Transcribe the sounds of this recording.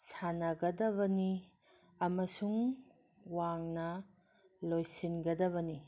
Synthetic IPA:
sanɐɡɐdɐβɐni | ɐmɐsuŋ | waŋnɐ | lojsinɡɐdɐβɐni

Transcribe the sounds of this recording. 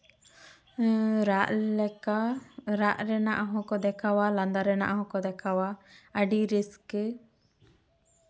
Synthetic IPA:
ɾaʔɛaɾaʔɾɛnaʔaɦɔ̃kɔd̪ɛkawalãnd̪aɾɛna̰ʔaɦɔ̃kɔd̪ɛkʰawaəɖiɾiskɛ

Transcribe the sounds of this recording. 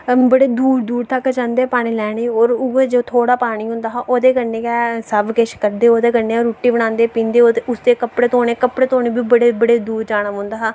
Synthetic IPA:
bəɽeːd̪uːɾd̪uːɽt̪əkd͡ʒãːnd̪eːpaːñiːlɛːɽ̃eːoːɾʊed͡ʒoːt̪ʰoːɽaːpaːɽiːɦʊ̃nd̪aːɦaːʔoːd̪eːkəɾneːkɛːsəbkeʃkəɾd̪eːoːd̪eːkəɾneːoːɾuːʈːiːbəɽ̃ãːnd̪eːpĩːnd̪eːoːd̪eʊsd̪eːkəpɽeːt̪oːɽeːkəpɽeːt̪oːneːbiːbəɽeːbəɽeːd̪uːɾd͡ʒaːɽəʋɦʊ̃nd̪aːɦaː

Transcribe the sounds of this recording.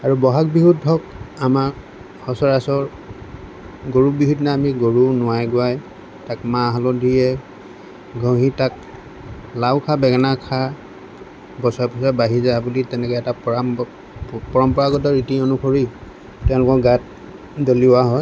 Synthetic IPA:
aɹubɔɦak̚biɦudʱːɔkama | hɔsɔɹasɔɹ | ɡoɹubiɦudinaːmiɡoɹunʊwajɡʊaj | takmãɦalɔdʱijɛ | ɡʱɔ̃ɦitak̚ | lawkʰabɛɡanakʰa | bɔsapɔsabaɦizabulitɛnɛkɔɛtapɔa | pɔɹɔmpɔɹaɡɔtɔɹitiɔnukʰɔɹi | tɛʊ̃lʊkɔkɡat̚ | doliʊwaɦɔj

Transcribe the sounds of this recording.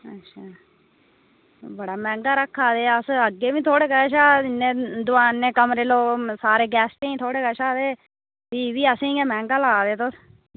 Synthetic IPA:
ə̰tːʃʰaː | bəɽaːmɛ̃ːŋɡaːɾəkʰːaːd̪eːəsəɡːeːʋĩːt̪ʰoːɽeːkəʃaːɪnːẽːd̪ʊaːnːẽːkəmɾeːloːsaːɾeːɡɛːsʈẽːiːt̪ʰoːɽeːkəʃaːd̪eː | biːʋiːəsĩːɛːmɛ̃ːŋɡaːlaːd̪eːt̪ʊs

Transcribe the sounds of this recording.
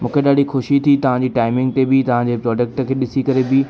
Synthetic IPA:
mũːkʰeɗaːɽixʊʃit̪ʰit̪ɐʋ̤ãɲd͡ʑiːʈaːɪmɪ̃ŋɡ̚t̪ebɪt̪ɐʋ̤ãd͡ʑeːpɾɔːɖek̚ʈəkʰeːɗɪsikɐɾebɪ

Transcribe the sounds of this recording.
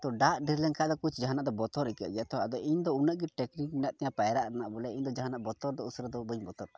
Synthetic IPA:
t̪ɔɖaʔ̪ɖiɾlɛŋkʰaʔd̪ɔkut͡ʃʰd͡ʒaɦanaʔd̪ɔbɔt̪ɔɾɛkɛ̰ʔɡɛt̪ʰɔad̪ɔʔiɲd̪ɔunəʔɡɛʈɛknikminaʔt̪ɛjapajɾaʔɾanaʔbɔlɛiɲd̪ɔd͡ʒaɦanaʔbɔt̪ɔɾd̪ɔusɾɛd̪ɔbəɲbɔt̪ɔɾ

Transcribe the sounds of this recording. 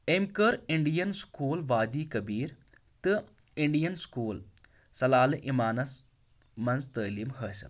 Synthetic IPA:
emkɐɾiɳɖijɐnskuːlʋaːd̪iːkɐbiːɾ | t̪ɨ | iɳɖijɐnskuːl | sɐlaːlʔimaːnɐs | mɐnzt̪əːlimɦəːsɐ̰m

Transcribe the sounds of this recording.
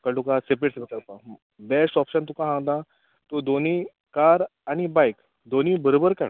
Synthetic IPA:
kəʈukasepɾeʈsepekəɾpa | besʈɔpɕənt̪ukãɦãŋd̪ã | t̪od̪oni | kaɾañibajk | d̪onibəɾobəɾkaɽ

